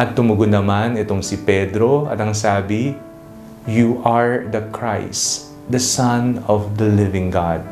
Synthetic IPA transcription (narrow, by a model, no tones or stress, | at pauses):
ʔɐt̪̚ːʊmʊɡʊd̪nɐmanɛt̪oŋsɪpɛd̪ɾo̞ɐ̰t̪ɐŋsaːbɪ | juʔaɹd̪ɐkʰɹajs | d̪ɐsɐnɔvd̪ɐlɪvɪ̃ŋɡad̪̚